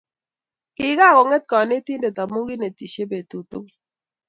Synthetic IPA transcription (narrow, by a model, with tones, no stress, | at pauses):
kɪ˦ɡa˦˨kɔ˨ŋɛ˦t̪̚kɔ˨ne˦t̪i˦nde˨t̪a˨mu˦ɡi˦ne˨t̪i˨ʃe˦be˨t̪u˨t̪u˦ŋ